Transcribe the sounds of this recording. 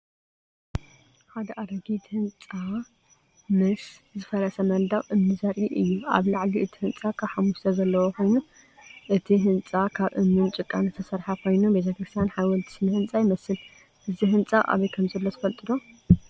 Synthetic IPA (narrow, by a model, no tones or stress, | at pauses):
had̪ɐʔaɾɐɡid̪hɨnt͡sʼa | mɨszɨfɐlɐsɐmɐnd̪aɣʔɨnːɨzɐɾiʔɨjːua̰βlaʕliʔɨt̪ʰi̥hɨnt͡sʼakʰaβħamːuʃt̪ʰɐzɐlːɐwokʰo̞jnu | ʔɨt̪ʰiɦɨnt͡sʼakʰaβʔɨnːɨnt͡ʃʼɨkʼːanɨt̪ʰɐsɐɾħakʰo̞jnubet̪ʰɐkɾɨst̪ʰijanħajwɐlt̪ʰi̥sɨnɐhɨnt͡sʼajɪmɐsɨl | ʔɨzihɨnt͡sʼaʔa̰βɐjkʰɐmzɐlːo̞zɨfɐlt̪ʼɨd̪o